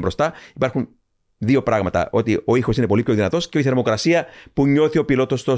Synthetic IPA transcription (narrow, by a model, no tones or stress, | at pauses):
bɾo̞st̪ɐipɐɾxun | ðio̞pɾɐɣmɐt̪ɐ̰ʔo̞t̪io̞ixo̞sine̞po̞lipço̞ðinɐt̪o̞sceoiθeɾmo̞kɾɐsiɐpuɲo̞θio̞pilo̞t̪o̞st̪o